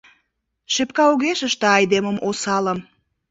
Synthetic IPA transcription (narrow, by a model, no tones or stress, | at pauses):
ʃepkɑuɣeʃəʃt̪eɑjd̪eməmʔosɑləm